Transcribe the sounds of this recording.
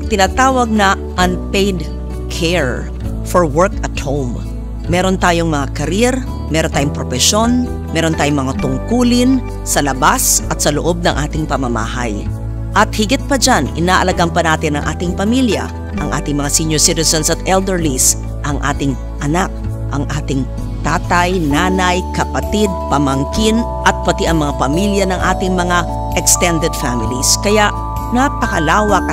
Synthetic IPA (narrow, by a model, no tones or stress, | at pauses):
pɐɡ̚t̪ɪnaːt̪aːwɐɡ̚nɐ | ʔɐnpɛjd̪ | kʰɛɹ | fɔɹwɛɹkɐt̪howmː | ɛːɾont̪aːjoŋmɐŋakɐɾjɛɾ | mɛːɾont̪aːjoŋpɾofɛʃo̞n | mɛːɾont̪aːjoŋmɐŋat̪ʊŋkuːlɪn | sɐlɐbasʔɐt̪̚sɐloʔo̞b̚nɐŋʔaːt̪ɪŋpɐmɐma̰ːhɐ̰j | ʔɐt̪hɪɡɪt̪̚pɐd͡ʒanʔɪ̰naːʔɐlɐɡampɐnaːt̪ɪnɐ̰ŋʔa̰ːt̪ɪŋpɐmiljɐ̰ | ʔɐŋʔa̰ːt̪ɪŋmɐŋasinjoɹsit̪ɪsɐnsɐt̪ʔɛld̪ɛɹlis | ʔɐŋʔa̰ːt̪ɪŋ | ʔɐnak̚ | ʔɐŋʔaːt̪ɪŋ | t̪aːt̪ɐjnaːnɐjkɐpɐt̪id̪̚pɐmɐŋkɪn | ʔɐt̪̚pɐt̪iʔɐŋmɐŋapɐmiljɐnɐŋʔaːt̪ɪŋmɐŋa | ʔɛkst̪ɛnd̪ɛd̪famɪliskɐjaʔ | napɐkɐlaːwɐk